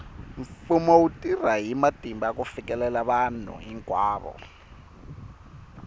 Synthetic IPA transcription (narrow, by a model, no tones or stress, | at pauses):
ɱfumɔwutʼiraɦimatʼimbakufikɛlɛlaβanṵiŋkʼwaːɓɔ̰